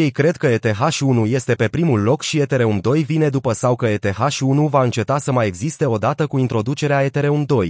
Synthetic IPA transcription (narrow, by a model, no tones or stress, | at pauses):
je̞jkɾe̞d̪̚kəet̪e̞ɦaʃunuje̞st̪e̞pe̞pɾimulːo̞kʃie̞t̪e̞ɾe̞umd̪o̞jvine̞d̪upəsawkəe̞t̪e̞ɦaʃiunuvaɨnt͡ʃe̞t̪asəmaje̞ɡzist̪e̞o̞d̪at̪əkuint̪ɾo̞d̪ut͡ʃe̞ɾeae̞t̪eɾe̞umd̪o̞j